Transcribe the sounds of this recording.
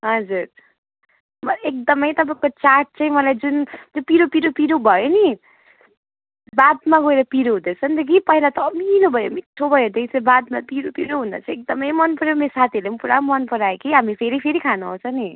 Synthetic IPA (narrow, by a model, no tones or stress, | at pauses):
ɦʌd͡zur | mʌek̚d̪ʌmʌjt̪ʌpãkot͡sarʈ̚t͡saĩmʌlajd͡zund͡zopiɾopiɾopiɾobʱʌjoni | bad̪maɡoeɾʌpiɾoɦud̪et͡sʰʌnt̪ʌk̬ipʌɦilat̪ʌːmilobʱʌjomiʈʰːobʌjɦud̪et͡sʰʌbad̪mapiɾopiɾoɦund̪ʌ̰t͡sʰʌek̚d̪ʌmʌjmʌnpʌɾeomesat̪ʰiʌlempuɾa̰mʌnpʌɾaekiɦamipʰeɾipʰeɾikʰanuɦʌ̰̃t͡sʰʌni